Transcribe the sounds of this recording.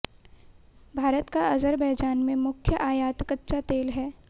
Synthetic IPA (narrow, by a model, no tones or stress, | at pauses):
bʱaːɾət̪kaʔɐzəɾbɛɦd͡ʒaːnmẽmʊkʰjəʔaːjaːt̪kətːʃat̪eːlɦɛː